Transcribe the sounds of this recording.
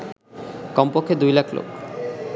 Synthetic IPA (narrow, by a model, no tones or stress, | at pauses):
kɔmpokʰːed̪ujlakʰlo̰k